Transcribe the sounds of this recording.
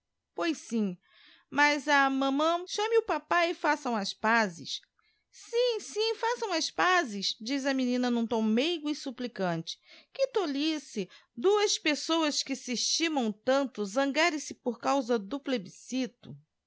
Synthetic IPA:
pojsĩ | mɐzɐmɐ̃mɐ̃ʃɐ̃mɪʊpapaɪfasɐ̃w̃ɐspazɪ̰ʃ | sĩsĩfasɐ̃w̃ɐspazɪsd͡ʒizɐminĩnɐnũt̪ɐ̃w̃mejɡʊɪsuplikɐ̃nt͡ʃɪ̥kɪt̪olisɪd̪uɐspesowɐskɪsɪːʃt͡ʃĩmɐ̃w̃t̪ɐ̃nt̪ʊzɐ̃ŋɡaɾẽsɪpoɾkawzɐd̪ʊplebisit̪ʊ

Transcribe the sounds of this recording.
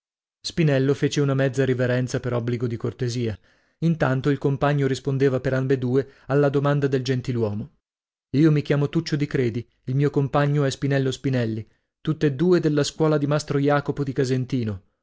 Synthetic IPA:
spinɛlːofeːt͡ʃeunamɛd̪zːaɾiveɾɛnt̪sapeɾɔbːliɡod̪ikort̪eziːa | int̪ant̪oilkompaɲːoɾispond̪eːvapeɾambed̪uːealːad̪omand̪ad̪eld͡ʒent̪ilwɔːmo | iːomik̟jaːmot̪ut͡ʃːod̪ikɾeːd̪i | ilmiːokompaɲːoɛspinɛlːospinɛlːi | t̪ut̪ːed̪ːuːed̪elːaskwɔːlad̪imast̪ɾojaːkopod̪ikazent̪iːno

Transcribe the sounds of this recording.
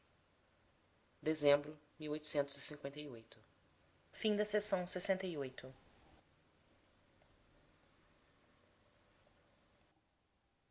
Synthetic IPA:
d̪ezẽmbɾʊmiwojt̪ʊ̥sẽnt̪ʊzisĩŋkwẽnt̪ɐiojt̪ʊ | fĩd̪ɐsesɐ̃w̃sesẽnt̪ɐiojt̪ʊ

